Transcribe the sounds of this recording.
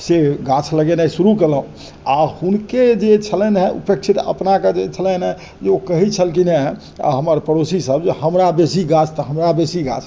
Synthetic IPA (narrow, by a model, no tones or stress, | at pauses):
seɡat͡ʃʰləɡenəsuɾukeləũ | ahunked͡ʒet͡ʃʰəlɛnɦɛʔṵpek̚t͡ʃʰit̪ə̰pnaked͡ʒet͡ʃʰələnɦɛ | d͡ʒeokəɦit͡ʃʰəlkine | ɦəməɾpəɾosisəbd͡ʒehəmɾabesiɡat͡ʃʰt̪əɦəmɾabesiɡa̰t͡ʃʰ